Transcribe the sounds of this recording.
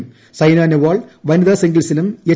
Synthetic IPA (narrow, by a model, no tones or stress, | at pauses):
m | sɐjnaːneʋaːɭʋɐniðaːsiŋɡilsilume